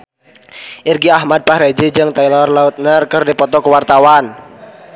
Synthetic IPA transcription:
ʔirɡiahmad̪̚pahɾed͡ʒid͡ʒɨŋt̪ailɔrlaut̪̚nərkərdipɔt̪ɔkəwart̪awan

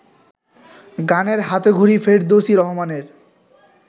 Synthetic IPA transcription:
ɡaneɾɦat̪eɡʱoɾifeʈd̪oʃiɾɔɦomaneɾ

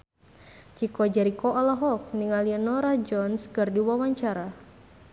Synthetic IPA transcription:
t͡ʃikɔd͡ʒɛɾikɔʔalaɦɔk̚niŋalianɔɾad͡ʒɔnskɨrdiwawaɲt͡ʃaɾa

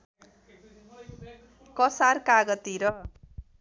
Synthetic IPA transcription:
kʌsarkaɡʌt̪iɾʌ

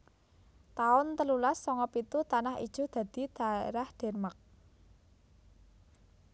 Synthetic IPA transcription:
t̪aʊnt̪əlulasːɔŋɔpit̪ut̪anahḭd̥ʒ̥ṳd̪̥ä̤d̪̥i̤d̪̥a̤ḛɾahd̪̥ɛ̤rmak̚

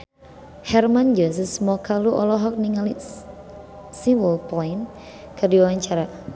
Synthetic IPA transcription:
hɛrmand͡ʒəs̬əsmɔkaluʔɔ̰lɔɦɔk̚niŋali | siwəlpɔin | kərdiwawaɲt͡ʃaɾa

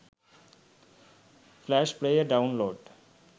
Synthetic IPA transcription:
flæːʃpɾejəɾɖaʊ̃nloːɖ

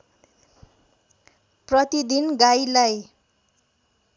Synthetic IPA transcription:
prʌt̪id̪inɡajlaj

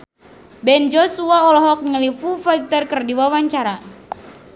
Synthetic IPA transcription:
bɛnd͡ʒosuaɔlɔɦɔk̚ŋəlifufaik̚t̪ərkərdiwawaɲt͡ʃaɾa

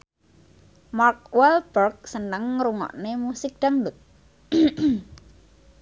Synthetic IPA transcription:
mark̚wɛlb̥ərk̚sənəŋɾuŋɔ̰ʔnemusɪk̚d̥aŋdʊt̪̚

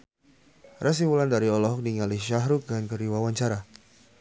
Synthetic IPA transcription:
rʔas̬imulandaɾiɔlɔɦɔk̚diŋalɪhʃaɦɾuk̚dankəɾiwawaɲt͡ʃaɾa

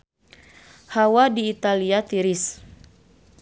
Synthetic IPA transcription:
hawadiːt̪aliat̪iɾis

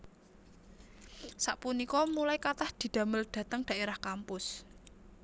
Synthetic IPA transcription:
saʔpunikɔmulaikat̪ahd̪̥i̤d̪̥ä̤məlɖ̪̥ä̤t̪əŋɖ̥a̤ʔeɾahkampʊs

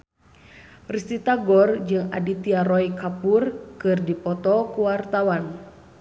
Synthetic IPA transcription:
rist̪it̪aɡɔrd͡ʒɨŋa̰dit̪iaɾɔjkapurkɨrdipɔt̪ɔkuwart̪awan

